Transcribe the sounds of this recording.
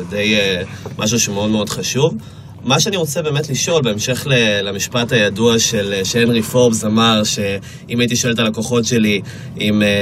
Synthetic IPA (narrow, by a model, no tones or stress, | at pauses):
de̞jemʔaʃ̬uʃumeo̞dmeodχaʃuv | maʃeaniʁo̞t͡sebe̞ːmetliʃo̞lbe̞ːmʃe̞χlelamiʃpatajaduaʃeleʃeenʁifobzamaʁʃe | imait̬iʃoeletalakoχo̞tʃe̞li | im